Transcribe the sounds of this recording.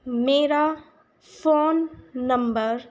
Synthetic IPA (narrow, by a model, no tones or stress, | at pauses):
meːɾa | foːnːə̃mbəɾ